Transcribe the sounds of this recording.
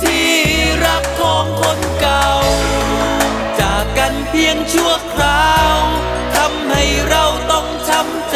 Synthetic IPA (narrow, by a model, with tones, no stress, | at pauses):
t̪ʰiː˧˩ɾa˦˥kʰːɔː˧˦ŋkʰo˧˥nka˨˩w | t͡ɕaː˨˩kːa˧npʰi˧əŋt͡ɕʰu˥˧˩əkʰɾaː˧w | t̪ʰa˧mha˧˩jɾa˧wt̪ɔ˧˩ŋt͡ɕ̪ʰa˧˥m